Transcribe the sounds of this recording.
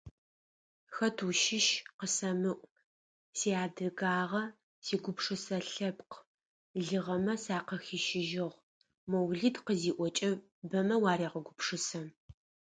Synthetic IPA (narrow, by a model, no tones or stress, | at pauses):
xɐtʰuʃɪʃqəsɐmɨʔʷʼ | siːaːdɨɡaːʁɐ | siːɡʷʊpʂɨsɐɬɐpqʰ | ɮɨʁɐmɐsaːqɐxiʃɪʒɪʁʷ | mɐwɮitqəziːʔʷɔt͡ʃʼɐ | bɐmɐwaːɾiːʁəɡʷʊpʂɨsɐm